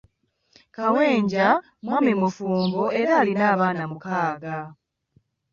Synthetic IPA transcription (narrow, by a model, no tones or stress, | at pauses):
kawe̞ːɲɟa | mwamemufuːmboe̞ɾaːlinaːβaːnamukaːɡa